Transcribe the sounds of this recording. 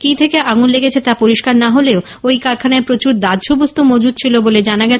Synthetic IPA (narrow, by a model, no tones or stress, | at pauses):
kit̪ʰekeʔaɡunleɡet͡ɕʰet̪apoɾiʃkaɾnaɦoleo | ojkaɾkʰanaepɾot͡ɕuɾd̪ad̪ʃubost̪omod͡ʑud̪̚t͡ɕʰiloboled͡ʑanaɡɛ